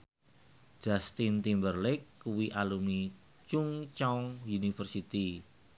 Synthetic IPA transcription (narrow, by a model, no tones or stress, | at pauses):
ʒ̥ast̪int̪imbərlɪkːuwiʔalumi | t͡ʃuŋt͡ʃaŋjunifərsit̪i